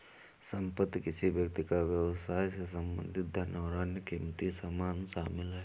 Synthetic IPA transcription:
sə̃mpəd̪kɪsibjək̚t̪ɪkaʋjəʋsaːjsesə̃mbə̰̃nd̪ʱɪt̪̚d̪ʱɐnɔːɾaːnjəkimt̪isaːmaːnʃaːmɪlɦɛː

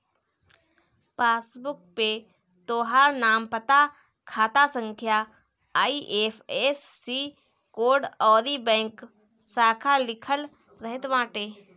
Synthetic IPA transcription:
paːsbʊk̚pe | t̪oːɦaːɾnaːmpət̪a | kʰaːt̪asə̃ŋkʰjaː | iʔeːpʰesːiː | koːɾɖɔːɾibɛ̃ːŋk | saːkʰalɪkʰəl | ɾɐɦɪt̪ʋãːʈeː

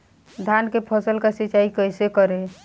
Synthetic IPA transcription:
d̪ʱankepʰəsəlkasiːt͡ʃaikəjsekəɾe

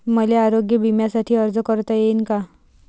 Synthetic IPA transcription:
məleaɾoɡjəbʱimjasaʈʰiːəɾd͡zəkəɾt̪ajenka

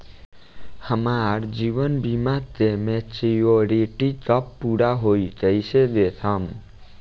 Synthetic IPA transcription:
həmaɾd͡ʒiʋənbimat̪emet͡ʃioɾeʈit͡ʃɔpːuɾaɦoid͡ʒəised̪esʰəm

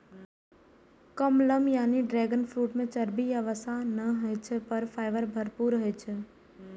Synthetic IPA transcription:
kəmləmjaːniɖɾɛːɡənpʰɾuːʈmẽt͡ʃəɾbijaʋəsanəɦət͡ʃʰpəɾfʰaːɪʋəɾbʱəɾpuːɾɦəjt͡ʃʰɛ

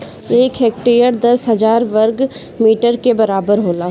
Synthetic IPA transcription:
eːkɦɛːk̚ʈijəɾd̪ɐsɦɐd͡ʒaːɾʋəɾɡ | miːʈəɾkebɐɾaːbəɾɦoːlaː

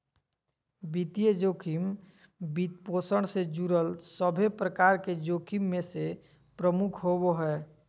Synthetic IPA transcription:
bit̪ijəd͡ʒoːkʰim | bit̪̚posəɽ̃sed͡ʒuɾəlsəbʱepɾəkaɾked͡ʒokʰimːẽse | pɾəmukʰɦoboɦɛː

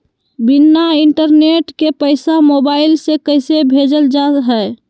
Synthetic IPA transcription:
binːaiɳʈəɾneʈkepəɪsamobaɪilsekəɪsebʱed͡ʒəld͡ʒaɦə

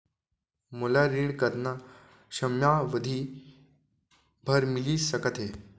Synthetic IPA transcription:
molaɾiːɳkəɾna | ɕəmjaʋəd̪ʱiː | bʱəɾmiliːsəkət̪ʰe

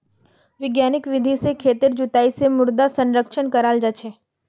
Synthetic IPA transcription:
ʋɪɡjanɪkʋɪd̪ʱisekʰeːt̪ɪɾd͡ʒʊt̪aisemʊɾd̪asə̃nɾəkʃənkəɾaːld͡ʒat͡ʃʰeː

